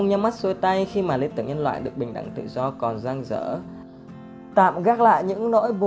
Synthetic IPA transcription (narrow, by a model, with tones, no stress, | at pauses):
ŋ͡mɲa˧ma˦˥t̚so˧jt̪a˧jxi˧maː˨˩li˧nt̪ɨ˧˩əŋɲə˧nlwa̰ː˧˨jɗɨ˨˩ək̚ɓï˨˩ŋɗa̰˧˨˩ŋt̪ɨ̰˧˨zɔ˧kɔ˨˩nzaː˧ŋzə̰ː˧˥ | t̪a̰ː˧˨mɣaː˦˥k̚la̰ː˧˨jɲɨ̰˧˥ŋnɔ̰˧˥jɓo˨